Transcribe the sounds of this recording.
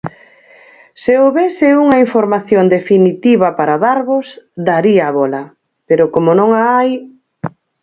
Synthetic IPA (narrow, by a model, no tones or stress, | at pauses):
seoβesɪuŋɐiɱfoɾmaθjond̪efinit̪iβɐpaɾaðaɾβʊsd̪aɾiaːβɔlɐ | peɾʊkomonõŋaaj